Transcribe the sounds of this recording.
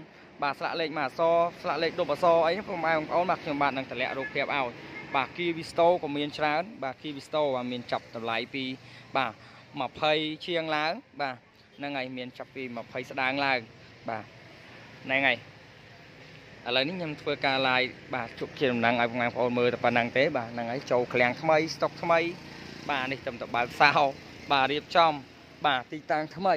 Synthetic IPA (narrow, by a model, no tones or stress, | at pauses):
ɓaːsla̰ʔleːk̚maːsɑːslaʔleːk̚ɗopːasɑːʔəjpɑmʔaɛŋpʰəʔoːnɓaːkʰɲomɓaːt̪̚nɨŋt̪ʰəlɛ̆əʔruːk̚pʰiəp̚ʔaɔjɓaːkiːʋist̪oːkɔːmiənt͡ɕraənɓaːkiːʋist̪oːɓaːmiənt͡ɕap̚ɗɑmlajpiːɓaː | məpʰəjt͡ɕʰiəŋlaəŋɓaː | naŋːajmiənt͡ɕapːiːməpʰəjsɗaəŋlaəŋ | ɓaː | nɨŋaj | ʔələwnihɲomt̪ʰʋəːkaːlaəjɓaːt͡ɕuəp̚t͡ɕiəɗɑmnəŋʔaɔjpkɑŋmaəŋpʰə̆ʔoːnməːlt̪apənəŋt̪eːɓaːnɨŋʔajt͡ɕoːlkʰlɛ̆əŋt̪ʰməjst̪ok̚t̪ʰməjɓaːniht̪əmt̪aɓaək̚saɔ | ɓaːriəp̚t͡ɕɑm | ɓaːt̪iːt̪aŋt̪ʰməj